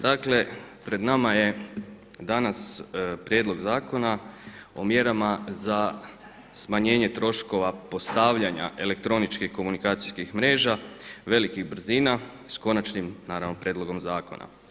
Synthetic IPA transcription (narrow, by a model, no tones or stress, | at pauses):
d̪akle̞pɾe̞d̪namaje̞ | d̪anaspɾje̞ːd̪lˠo̞ɡzaːko̞na | o̞̰mje̞ɾamaza | smaɲe̞ːɲe̞t̪ɾo̞ʃko̞ʋapo̞st̪aːʋʎaɲa̰ʔe̞le̞kt̪ɾo̞nit͡ʃkixko̞munikaːt̪siskixmɾe̞ːʒaʋe̞likiɣbr̩ziːna | sko̞nat͡ʃnimnaːɾaʋno̞pɾjeːd̪lˠo̞ɡo̞mzaːkona̰